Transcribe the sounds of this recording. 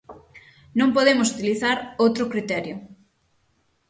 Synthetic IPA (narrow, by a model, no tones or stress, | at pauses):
nõmpoðemʊsut̪iliθaɾowt̪ɾʊkɾit̪ɛɾjʊ